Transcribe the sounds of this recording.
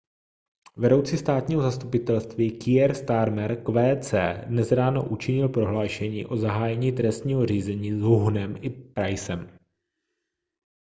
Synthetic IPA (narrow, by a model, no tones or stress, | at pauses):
vɛdo̞wt͡siːst̪aːt̪ɲiːɦozast̪upɪt̪ɛlst̪viːkɪɛɾst̪aɾmɛɾkvɛːt͡sɛːdnɛzɾaːno̰ʔut͡ʃɪɲɪlpɾo̞ɦlaːʃɛɲḭːʔo̞zaɦaːjɛɲiːt̪ɾɛst̪ɲiːɦo̞riːzɛɲiːzɦuɦnɛmʔɪpɾajsɛm